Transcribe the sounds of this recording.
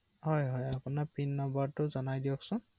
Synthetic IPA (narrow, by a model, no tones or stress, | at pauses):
ɦɔjɦɔjapunapinːɔmbɔtʊzɔnajdiɔksʊn